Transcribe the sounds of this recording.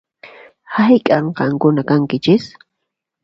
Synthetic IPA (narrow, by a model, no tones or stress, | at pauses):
hajkʼaɴqɑŋkʊnakaŋkɪt͡ʃɪs